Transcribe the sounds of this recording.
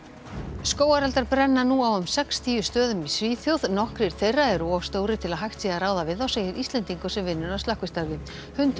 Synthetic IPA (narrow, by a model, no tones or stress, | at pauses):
skoːwaɾalt̪aɾpɾɛnːanuawʏmsɛkst̪ʰiːʏst̪œːðʏmisviːθjowðnɔhkɾɪɾ̥θejrːaɛɾuɔvst̪oːwɾɪt̪ʰɪlaðɦajxt̪siːðaɾaːwðavɪðawseːjɪɾʔisɛnt̪iŋkʏsɛmvɪnːʏɾaðst̪ahkvɪst̪aɾvɪ | hʏnt̪